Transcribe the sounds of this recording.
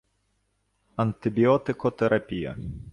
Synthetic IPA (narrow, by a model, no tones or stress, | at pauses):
ɐnt̪ɪbʲiɔt̪ɪkɔt̪ɛɾʔɐpʲijɐ̰